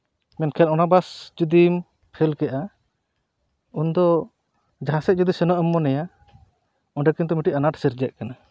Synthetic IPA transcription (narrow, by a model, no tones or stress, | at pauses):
mɛnkʰɛnɔnabasd͡ʒud̪im | pʰɛlkɛʔa | und̪ɔ | d͡ʒaɦasɛt̪̚d͡ʒud̪isɛnɔʔəmːɔnɛja | ɔɳɖɛkint̪ɔmiʈiʔanaʈsiɾd͡ʒɛʔ̚kana